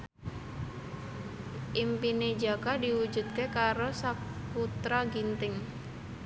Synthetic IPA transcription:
ʔimpined͡ʒakadiwud͡ʒṳt̪̚kekaɾosakut̪ɾaɡint̪ɪŋ

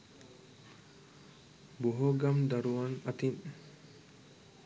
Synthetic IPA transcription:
boɦoɡamd̪aɾuʋaŋat̪in

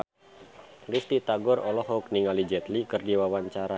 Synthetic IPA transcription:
list̪it̪aɡɔrɔlɔhɔk̚niŋalid͡ʒɛt̪likɨrdiwawaɲt͡ʃaɾa

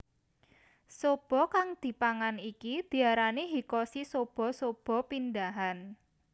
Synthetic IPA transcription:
sob̥ɔ̤kaŋd̪̥i̤paŋanikid̪̥i̤aɾaniɦikɔsisob̥ɔ̤sob̥ɔ̤pindaɦan

